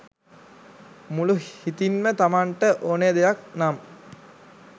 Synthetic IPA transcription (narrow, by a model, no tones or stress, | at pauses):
muluhit̪inmət̪amaɳʈəʔoːnejd̪ejak̚nam